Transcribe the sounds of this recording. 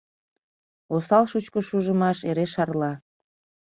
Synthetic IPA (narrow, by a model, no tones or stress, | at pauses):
osɑlʃut͡ɕkəʃuʒəmɑʃeɾeʃɑrlɑ